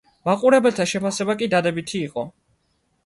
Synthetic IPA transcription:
maqʼuɾɛbɛlt̪ʰaʃɛpʰasɛbakʼid̪ad̪ɛbit̪ʰiːqʼɔ

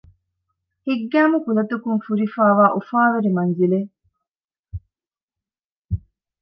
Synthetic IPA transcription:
hiɡːæːmukulɐt̪ukunfuɾifaːʋaːʔufaːʋeɾimɐnzile

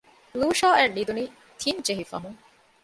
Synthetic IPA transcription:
luːʃaːɛɖid̪uni | t̪ʰint͡ʃeɦifɐ̰ɦũŋ

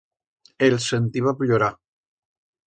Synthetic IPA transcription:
elsent̪iβapʎoɾa

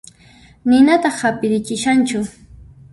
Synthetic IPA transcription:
nɪnat̪ɑχapɪɾɪt͡ʃɪʃant͡ʃʊ

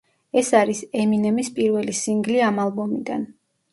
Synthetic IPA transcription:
ɛsaɾisɛminɛmispʼiɾvɛlisiŋɡliamalˠbɔmid̪a̰n

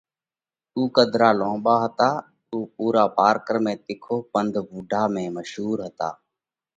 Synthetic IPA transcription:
t̪uːkəd̪ʱɾaːlõːɓaːɦət̪aː | t̪uːpuːɾaːpaːɾkəɾmẽːt̪ɪkʰoːpənd̪ʱbuːɖʱaːmẽːməʃɦuːɾɦət̪a̰ː

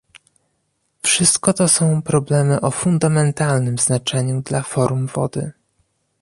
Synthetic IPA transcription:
fʂɘst̪kɔt̪ɔsɔ̃w̃pɾɔblɛmɘʔɔfund̪amɛnt̪alnɘmz̥nat͡ʂɛɲud̪lafɔɾumvɔ̰d̪ɘ̰

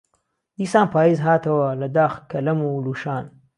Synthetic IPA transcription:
d̪̥isãːnpaːizɦaːt̪ɐwalad̪aːxkɐlɐmoluʃaːn

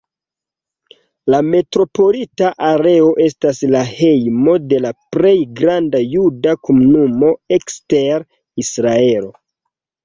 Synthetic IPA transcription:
lame̞tɾo̞po̞litaʔaɾe̞o̞ʔe̞staslahe̞jmo̞de̞lapɾe̞jɡɾandajudakomunumo̞eksteɾ | isɾae̞lo̞

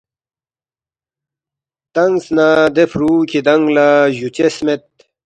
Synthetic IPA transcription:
t̪ɐŋɡsnad̪efɾuːkʰid̪ɐŋɡlaʑut͡ɕesmet̪̚

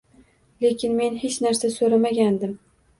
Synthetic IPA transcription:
le̞kʲɪnme̞nɦe̞t͡ʃnaɾsasoɾamaɡʲand̪ɪm

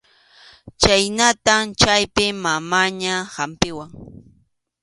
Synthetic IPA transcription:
t͡ʃajnat̪amt͡ʃajpɪmamaɲahampɪwaŋ

